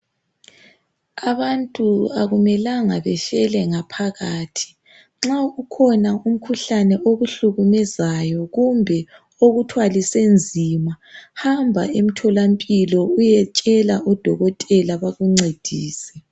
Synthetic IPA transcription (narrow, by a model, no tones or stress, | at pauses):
aβantʼuaɣumɛlaŋaβɛfɛlɛŋapʰaɣaːtʰi̥ | ŋ͡ǁaukʰɔnaum̩kʰuɬanɛʔoɣuɬuɣumɛzajɔɣumbʱɛ | oɣutʰwalisend͡zʱima | hambʱa̰em̩tʰɔlampʼilɔujɛt͡ʃʼɛlaʔɔd̥ʱɔɣɔtʼɛlaβaɣuŋ͡ǀed̥ʱiːsɛ̥